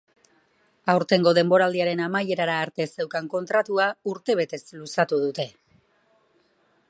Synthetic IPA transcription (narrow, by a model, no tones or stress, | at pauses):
awɾt̪e̞ŋɡo̞ð̞e̞mbo̞ɾald̪iaɾe̞namaje̞ɾaɾaːɾt̪e̞se̞wkaŋko̞nt̪ɾat̪uauɾt̪e̞β̞e̞t̪e̞slusat̪uð̞ut̪e̞